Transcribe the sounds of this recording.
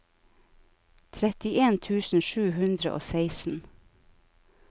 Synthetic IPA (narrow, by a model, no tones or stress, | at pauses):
t̪ʰɾɛt̪ɪʔeːnt̪ʰʉːsn̩ʃʉːhʉnd̪ɾə̰ʔo̰ːsæɪsn̩